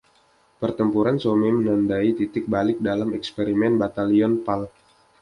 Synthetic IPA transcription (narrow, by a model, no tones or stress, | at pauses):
pərt̪əmpuɾansomimənandait̪it̪ɪk̚balɪk̚dalamɛkspeɾimɛnbat̪aliɔnpal